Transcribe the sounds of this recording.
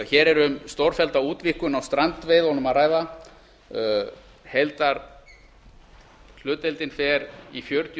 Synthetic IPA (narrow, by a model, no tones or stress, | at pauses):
çɛːɾɛɾʏmst̪ɔwɾ̥fɛlt̪auːt̪vihkʏnawst̪ɾant̪vɪjðɔnʏmaðraːjða | hejlt̪aɾ | l̥ʏːt̪ɛlt̪ɪnfɛɾifjœɾt̪j